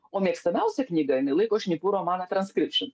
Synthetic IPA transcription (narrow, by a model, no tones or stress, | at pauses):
ɔmʲɛkst̪ɐnaʊsʲɐknʲiɡɐɪnɪlˠɨkoʃʲnʲipuɾɔmanɐt̪ɾɐnskɾʲɪpʃɨn